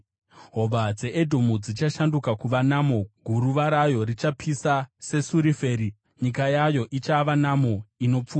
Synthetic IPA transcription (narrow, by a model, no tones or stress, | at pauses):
ɦo̞ʋad͡ze̞ʔedʱo̞mud͡zit͡ʃaʃandukakuʋanamo̞ɡʱuɾuʋaɾajo̞rit͡ʃapʰisase̞suɾife̞ːɾi | ɲikajajo̞ʔit͡ʃaʋanamo̞ino̞p͡fuːa